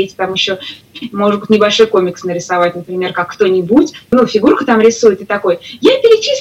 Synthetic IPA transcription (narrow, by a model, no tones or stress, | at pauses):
etʲt̪amjɪɕːo̞ | mo̞ʐɨd̪bɨtʲnʲɪbɐlʲʂojko̞mʲɪksnəɾʲɪsɐvat̚ʲnəpɾʲɪmʲe̞rkakːt̪o̞nʲɪbutʲnufʲɪɡurkət̪amɾʲɪsujɪt̪ɨt̪ɐko̞jjapʲɪɾʲɪt͡ɕis